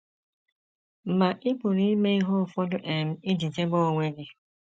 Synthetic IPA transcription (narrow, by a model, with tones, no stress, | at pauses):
m̩˨ma˨ʔɪ˦pʊ˨ɾi˦i˦me˦i˦ɦo˦˨fɔ˦dʊ˦ʔe˨m̩˨˦ɪ˦di˨te˦ɡ͡bɔ˦o˨ŋʷe˦ɡɪ˦